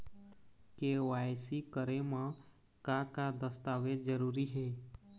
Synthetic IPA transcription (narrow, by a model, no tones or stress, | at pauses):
keːʋaːjsikəɾemã | kakad̪əst̪aːʋed͡ʒəɾuːɾiɦɛː